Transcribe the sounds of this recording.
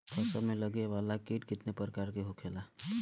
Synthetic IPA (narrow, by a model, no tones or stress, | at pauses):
pʰəsəmẽləɡeʋaːlakeːʈkɪt̪nepəɾəkaːɾkeɦokʰeːla